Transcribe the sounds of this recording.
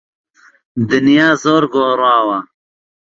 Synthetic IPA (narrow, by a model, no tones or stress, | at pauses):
d̪ɪnjaːzoːɾɡoːɾɑːwɐ